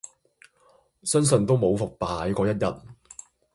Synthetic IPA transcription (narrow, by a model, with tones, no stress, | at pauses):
sœ˥nsɵ˧nt̪o˥wmo˨˧wfʊ˨k̚paː˨˥jkɔː˨˧jɐ˥t̚jɐ˨t̚